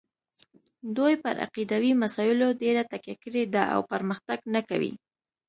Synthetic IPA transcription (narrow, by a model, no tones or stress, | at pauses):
d̪ojpə̰ɾʔa̰qid̪awimasɑjɪloɖeɾat̪akjakəɽed̪aʔa̰wpəɾməxt̪aɡnaka̰wḭ